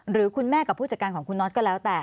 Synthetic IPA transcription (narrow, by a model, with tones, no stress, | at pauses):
ɾɯː˩˦kʰu˧nmɛː˥˩ka˨˩pʰuː˥˩t͡ɕa˨˩kaː˧nkʰɔː˩˦ŋkʰu˧nːɔ˦˥t̪̚kɔː˥˩lɛː˦˥wt̪ɛː˨˩